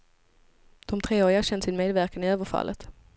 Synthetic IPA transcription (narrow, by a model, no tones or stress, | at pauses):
d̪̥ɔmt̪ʰɾeːoːɾɪɡaɕɛnt̪sɪnmeːd̪væɾkanɪøːvəɾfa̰lʔə̰t̪